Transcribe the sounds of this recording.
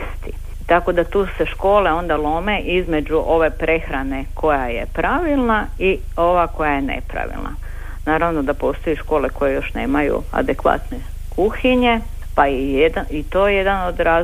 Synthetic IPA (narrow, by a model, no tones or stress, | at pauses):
st̪i | t̪ako̞d̪at̪uːse̞ʃko̞ːle̞o̞nd̪alˠo̞me̞ʔizme̞d͡ʑuʔo̞ʋe̞pɾe̞xɾane̞ko̞jajepɾaʋilˠnai | o̞ʋako̞jajenḛpɾa̰ʋḭlna̰ | naːɾaʋno̞d̪apo̞ːst̪o̞jiʃko̞ːleko̞jejo̞ʃneːmajṵa̰d̪e̞kʋa̰t̪ne | kuxiɲe | paied̪ait̪oːjed̪ano̞d̪ɾaː